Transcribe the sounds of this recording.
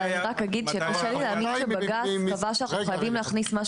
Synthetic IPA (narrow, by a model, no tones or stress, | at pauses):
aniʁakɐɡid̪ʃekaʃelileːminʃebaɡaavaʃauχajavimleːχnismaʃ